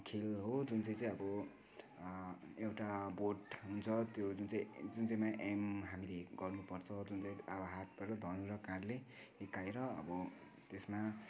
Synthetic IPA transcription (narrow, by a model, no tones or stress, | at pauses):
kʰelɦod͡zunt͡sʌj̃t͡sʌj̃ʌbʌ | ewʈaboʈɦunt͡sʰʌt̪jod͡zunt͡sʌ̃ĩd͡zunt͡sʌjmaʔemɦamileɡʌrnupʌrt͡sʰʌd͡zunt͡sʌj̃abʌɦat̪̚bʌɾʌd̪ʱʌnuɾʌkãɽleːkaeɾʌʌ̰bʌ | t̪esma